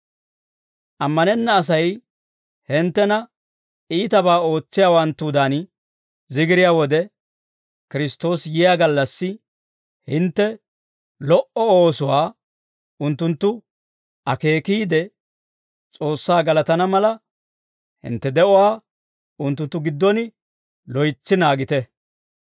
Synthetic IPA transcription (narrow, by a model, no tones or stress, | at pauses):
ʔɐmːɐnɛnːɐːs̬ɐj | hɪnt̪ːɛnɐ | iːt̪ɐbaːo̞ːt͡sːɪjaːwɐnt̪ːuːd̪an | zɪɡɪɾɪjaːwɔd̪ɛ | kɪɾɪst̪o̞ːsjɪjaːɡɐlːɐsːɪ | hɪnt̪ːɛ | lɔʔɔoːsʊwaː | ʊnt̪ːʊnt̪ːʊ | ʔɐke̞ːkiːd̪ɛ | t͡sʼo̞ːsːaːɡɐlɐt̪ɐnɐmɐlɐ | hɪ̰nt̪ːɛd̪ɛʔɔwaː | ʊnt̪ːʊnt̪ːʊɡɪd̪ːɔnɪ | lɔjt͡sːɪnaːɡɪt̪ɛ